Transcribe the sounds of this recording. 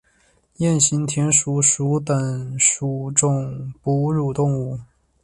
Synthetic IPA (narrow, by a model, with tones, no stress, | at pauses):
jɛ˥˩nɕi˧˥nt̪ʰjɛ˧˥nʂu˧˥ʂu˧˥t̪ə˨˩ŋʂu˨˩ʈ͡ʂʊ˥˩ŋpu˧˥ɻu˨˩t̪ʊ˥˧ŋu˥˩